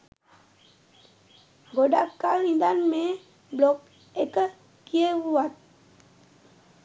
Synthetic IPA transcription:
ɡodakːanindanme | blɔk̚ | ekə | kievuwat̚

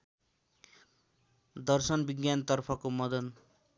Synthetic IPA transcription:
d̪ʌrsʌnbiɡjant̪ʌrpʰʌkomʌd̪ʌn

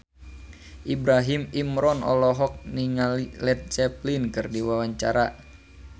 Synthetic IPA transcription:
ʔibɾaɦimimɾɔnɔ̰lɔɦɔk̚niŋalilɛt̪̚t͡ʃɛplinkɨrdiwawaɲt͡ʃaɾa

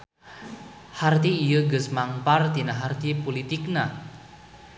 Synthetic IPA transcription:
hart̪iːjəɡəsmaŋpart̪inaɦart̪ipolit̪ikna

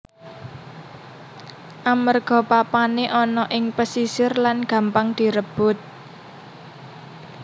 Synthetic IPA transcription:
ʔamərɡ̥ɔ̤papaneʔɔnɔʔɪŋpəsisɪrlanɡ̥ä̤mpaŋd̪̥i̤ɾəb̥ʊt̪̚

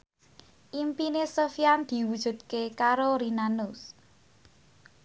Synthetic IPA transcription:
ʔimpinesofiand̪̥i̤wud̥ʒ̥ṳd̪̚kekaɾoɾinanʊs

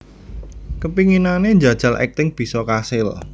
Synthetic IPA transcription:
kəpiŋinaneɲd͡ʒa̤d̥ʒ̥a̤lʔɛ̰k̚t̪ɪŋb̥i̤sɔkasɪl

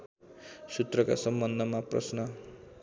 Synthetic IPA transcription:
sut̪rʌka̰sʌmbʌnd̪ʱʌmaprʌ̰snʌ

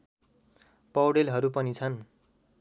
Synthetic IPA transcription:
pʌwɽelɦʌɾupʌnit͡sʰʌn

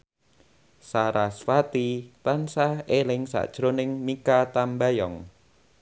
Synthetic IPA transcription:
saɾasfat̪it̪ansahelɪŋsa̰ʔd̥ʒ̥ɾonɪŋmikat̪ambajɔŋ

